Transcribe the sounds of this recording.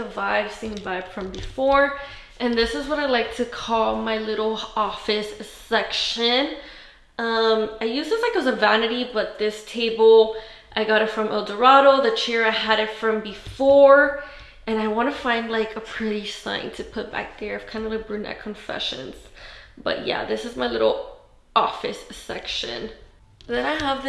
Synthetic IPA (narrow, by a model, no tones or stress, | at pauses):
əvaɪv̥sĩnvaɪv̥fɹʌ̃mbɨfɔɹ | ʔɨ̃nðɪsɨzwʌɾaɪlaɪk̚tʰɨkʰɔlˠmaɪlɪɾl̩ˠɔfɨsɨsɛkʃɨ̃n | ʔʌ̃maɪjʉsʌslaɪkɨt̚wʌzɨvænɨɾibʌt̪̚ðɪstʰeɪbl̩ˠ | ʔaɪɡɑɾɨtfɹʌ̃mʔɛlˠdə˞ɑɾoʊðɨt͡ʃʰɛɹaɪɨɾɨtfɹʌ̃mbɨfɔɹ | ɨ̃naɪwɑ̃nɨfãɪ̃ndˡlaɪkʰəpʰɹ̥ɪɾisã̰ɪ̃ntʰɨpʰʊt̚b̥æ̰k̚ðə˞ʌv̥kʰãɪ̃ndəlaɪk̚b̥ɹʉnɛ̰t̚kʰɨ̃ɱfɛ̰ʃɨ̰̃nz̥b̥ʌ̰ʔ̚jæ̰ðɪsɨzmaɪlɪɾl̩ˠ | ʔɔfɨsɛ̰kʃɨ̰̃n | ðɨ̃naɪəvð